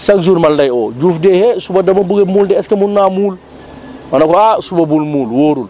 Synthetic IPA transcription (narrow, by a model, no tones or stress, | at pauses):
sakzuɾmaldajɔd͡ʒuːfdɛhɛsubadɐmɐbuɡemuːldɛɛskɛmunnːamuːl | manakɔasubabulmuːlwoːɾul